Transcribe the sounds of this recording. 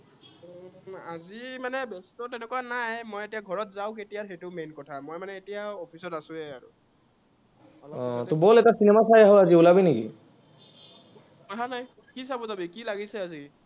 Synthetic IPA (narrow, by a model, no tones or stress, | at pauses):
azimanɛbɛstɔtɛnɛkuanajmojetijaɡʱɔɹɔtzaw̃ketijatʰetʊmenkɔtʰamojmanɛetijaɔpʰisɔtasʊ̃ɛaɹṵ | ɔlɔ̃tʊbɔlɛtasinɛmasajaɦɔaziulabinekḭ | aɦanaj | kisabɔtabikilaɡisɛazi